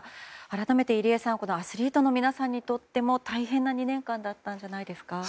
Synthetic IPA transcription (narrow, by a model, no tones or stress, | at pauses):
aɾat̪ame̞t̪e̞iɾʲiasãɰ̃ko̞noasɨɾʲiːt̪o̞no̞mʲinasãɲ̟ːit̪o̞t̪ːe̞mo̞t̪aiɦẽ̞nːaɲ̟inẽ̞ŋkãnd̪at̪ːãɲ̟d͡ʑanaid̪e̞sɨ̥ka